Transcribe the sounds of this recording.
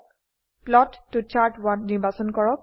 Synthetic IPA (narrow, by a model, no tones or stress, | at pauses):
plɔtːut͡ʃaɹtwatniɹbasɔnkɔɹɔk̚